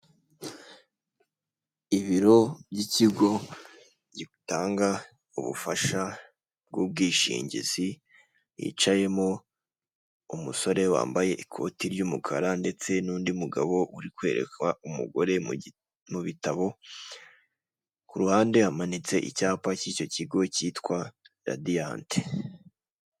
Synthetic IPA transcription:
iβiɾo̞bɟiciɡo̞ | ɟiutaːŋɡa | ṵβṵfaʃa | b̚ɡub̚ɡiːʃḭːɲɟḭz̥i | jḭt͡ʃaje̞mo | umuso̞ɾe̞wa̰ːmbaje̞ʔikʰo̞̰tiɾɟumukʰa̰ɾande̞t͡se̞nuːndiumuɡaβo̞ʔuɾikwe̞ːɾe̞̰kwaumṵɡo̞ɾe̞ | muβitaβo̞ | kuɾuhaːnde̞hamanit͡se̞ʔḭcaːpaciːco̞ciɡo̞ciːtkwa | ɾa̰dijante̥

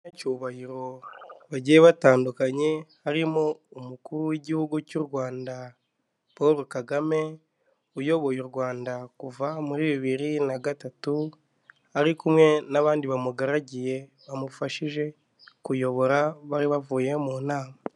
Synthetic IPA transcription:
nacuβahiɾo̞βaɟieβataːndukaɲe̞haɾimoumukuɾuwiɟihuɡucuɾwaːnda | poɾokaɡame̞ | ujo̞βo̞juɾɡwaːndakuvamuɾiːβiβiɾinaɡatatu | aɾikumwe̞naβaːndiβamuɡaɾaɟije̞ | βamufaʃiʒe̞ | kujo̞βo̞ɾaβaɾiβavuːje̞muːnaːma

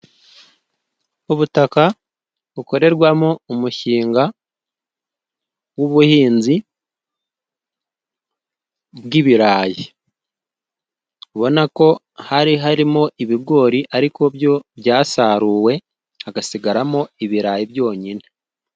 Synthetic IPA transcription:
uβutaka | βuko̞ɾe̞ɾɡwamoumuʃiːŋɡa | wuβuhiːnzi | bɡiβiɾaːji | uβo̞nako̞ | haɾiɦaɾimo̞ʔiβiɡo̞ːɾiʔaɾiko̞βjo̞βjaːsaːɾuːwe̞ | aɡasiɡaɾamoiβiɾaːjiβjo̞ːɲine̥

